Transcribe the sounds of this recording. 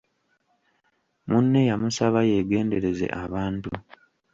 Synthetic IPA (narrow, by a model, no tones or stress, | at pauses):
munːe̞jamusaβaje̞ːɡe̞ːnde̞ɾe̞ze̞̰ʔaβaːntu